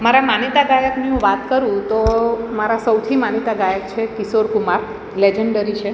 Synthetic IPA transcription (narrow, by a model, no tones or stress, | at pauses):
maɾamanit̪aɡajəkniɦũʋat̪kəɾũt̪omaɾasəwt̪ʰimanit̪aɡajəkt͡ʃʰekisoɾkumaɾ | led͡ʒeɳɖəɾit͡ʃʰe